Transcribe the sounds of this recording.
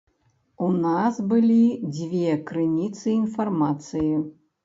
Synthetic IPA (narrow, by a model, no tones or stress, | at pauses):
unasbɨlʲid͡zʲvʲekɾɨnʲit̪sɨinfarmat̪sɨji